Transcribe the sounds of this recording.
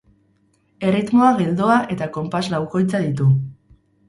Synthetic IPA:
e̞rit̪mo̞aɣe̞ld̪oaʔe̞t̪ako̞mpaslawko̞jt͡saðit̪u

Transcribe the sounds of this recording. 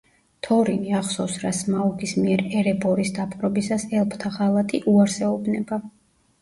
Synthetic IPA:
t̪ʰɔɾiniaχsɔfsɾasmaɔkʰismiɛɾɛɾɛbɔɾisd̪apʼqʼɾɔbisasɛlˠpʰt̪ʰaʁalˠat̪ʰiʔuaɾsɛɔbnɛba

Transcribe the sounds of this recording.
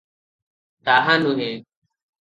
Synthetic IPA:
t̪aɦanũɦɛ̃

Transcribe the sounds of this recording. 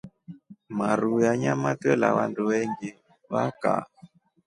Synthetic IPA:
maɾujaɲamatɛlaβanduβɛŋɡe | βaka̰

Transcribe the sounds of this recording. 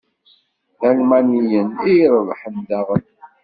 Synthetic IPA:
θælmænijəniɾˤðˤħənd̪æʁən

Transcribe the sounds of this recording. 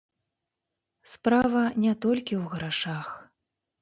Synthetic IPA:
spɾavɐnʲɛt̪ɔlʲkʲiwɣɾaʂax

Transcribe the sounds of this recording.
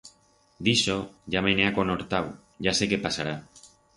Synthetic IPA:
d̪isoʝameneako̞noɾt̪aw | ɟ͡ʝase̞kepasaɾa

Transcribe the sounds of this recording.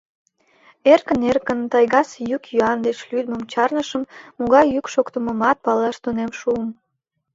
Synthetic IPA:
erkənerkənt̪ɑjɣɑsjykjyɑnd̪et͡ɕlyd̪̚məmt͡ɕɑrnəʃəmːuɣɑjːykʃokt̪əməmɑt̪̚pɑlɑʃt̪onemʃuəm

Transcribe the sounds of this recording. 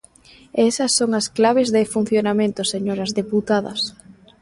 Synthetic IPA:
ɛsɐsːoŋɐsklaβezðɪfun̟θjonamẽnt̪ʊseɲoɾɐzðeput̪aðɐ̰s

